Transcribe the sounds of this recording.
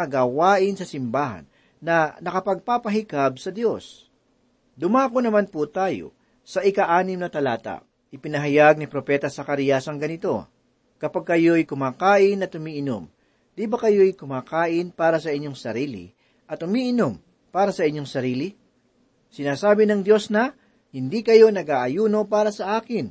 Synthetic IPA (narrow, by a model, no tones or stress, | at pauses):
ɡaːwaːʔɪnsɐsɪmbaːɦɐ̰nː | ɐnɐkɐpɐɡ̚papɐɦɪkab̚sɐd̪jo̞s | d̪ʊmaːkonɐmanput̪aːjo̞̰ | sɐʔɪkɐʔaːnɪmnɐt̪ɐlaːt̪a̰ | ʔɪpɪnɐɦɐjaɡ̚nɪpɾopɛːt̪ɐsɐkɐɾiːjɐsɐŋɡɐnɪt̪o̞ | kɐpaɡ̚kɐjo̞jkʊmaːkaːʔɪnɐt̪ʊmiːʔɪno̰m | d̪̥ibɐkɐjo̞jkʊmaːkaːʔɪnpaːɾɐsɐʔɪɲːo̞ŋsɐɾiːlɪ̰ | ʔɐt̪ʊmiːʔɪnom | paːɾɐsɐʔɪɲːo̞ŋsɐɾiːlɪ | sɪnaːsaːbɪnɐŋd̪jo̞snɐ | hɪnd̪ikɐjo̞nɐɡaːʔɐjuːno̞paːɾɐsɐʔaːkɪn